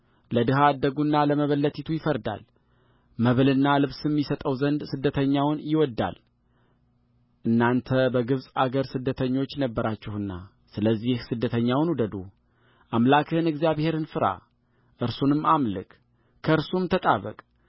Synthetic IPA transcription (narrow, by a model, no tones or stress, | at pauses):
ləd̪ɨɦad̪ːəɡunːaləməβəlːət̪ʰit̪ʰujɪfəɾd̪a̰l | məβlɨnːalɨβsɛmːisət̪ʼəwzənd̪sɨd̪ːət̪ʰəɲːawnjɪwɔd̪ːa̰l | ʔɨnːant̪ʰəbəɡɨβsʼaɡəɾsɨd̪ːət̪ʰəɲːo̞t͡ʃːnəbːəɾat͡ʃːɛhɨnːa̰ | sɨləzːihsɨd̪ːət̪ʰəɲːawnud̪əd̪ṵ | ʔamlakʰɨhɨnɨɡzijaβhe̞ɾɨnfɨɾa̰ | ʔɨɾsunɨmːamlɨ̰kʼ | kʰəɨɾsumt̪ʰət̪ʼaβə̰kʼ